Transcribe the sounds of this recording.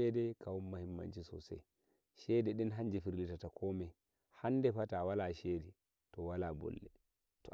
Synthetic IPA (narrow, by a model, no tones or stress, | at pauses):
ɛdɛkʰawumːahimːa̰nt͡ʃisɔ̰sɛ̰ | ʃɛdɛɗɛnɦand͡ʒifiɾlitatakʰɔːmɛ | handɛfatawalaʃeːdi | tɔwalabɔ̰lːɛ | tɔ